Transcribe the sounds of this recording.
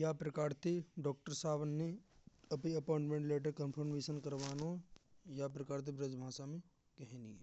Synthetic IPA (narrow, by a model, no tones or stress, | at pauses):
japɾɐkaːɾt̪eɖɔːk̚ʈəɾsaːʋənːeɐpiɐpɔːɪɳʈmẽɳʈleːʈ̬əɾkə̃npʰəɾmeːʃənkɐɾʋaːnojapɾɐkaːɾt̪̬ibɾɐd͡ʒbʱaːʃamẽ | kɛɦnḭe